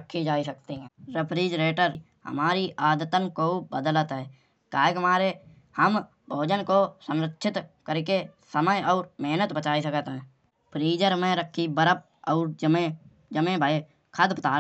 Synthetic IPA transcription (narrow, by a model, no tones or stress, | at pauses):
kʰːid͡ʒaːisək̚t̪eɦɛ̃ːɾɪpʰɾiːd͡ʒɾeːʈəɾ | ɦə̰maːɾiʔaːd̪t̪ənkobəd̪ələt̪ɦɛː | kaːeɦəmaːɾe | həm | bʱoːd͡ʒənkosə̃nɾətːʃɪt̪kəɾkesəməjɔːɾmeɦnət̪bət͡ʃaːisəkət̪ɦɛ̃ː | pʰɾiːd͡ʒəɾmẽɾəkʰːibəɾəp̚ | ɔːɾd͡ʒmẽ | d͡ʒəmẽbʱːe | kʰəd̪pt̪aː